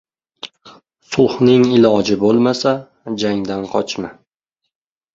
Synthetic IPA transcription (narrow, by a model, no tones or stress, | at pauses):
sʊlˠhnɪŋɪlˠɒd͡ʒɪbolˠmasa | d͡ʒaŋd̪anqʰɒt͡ʃʰma